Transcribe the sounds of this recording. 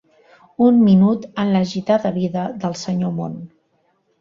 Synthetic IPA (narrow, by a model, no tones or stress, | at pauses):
unminut̪ənləʒit̪aðəβiðəðəlˠsəɲomo̰n